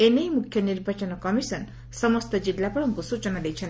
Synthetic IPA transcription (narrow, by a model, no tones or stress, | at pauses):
enejmukʰjʌniɾbʱat͡ʃɔnɔkʌmisʌn | sʌmʌst̪ʌd͡ʒilːapɔɭɔŋkusut͡ʃɔnad̪ejt͡ʃʰʌn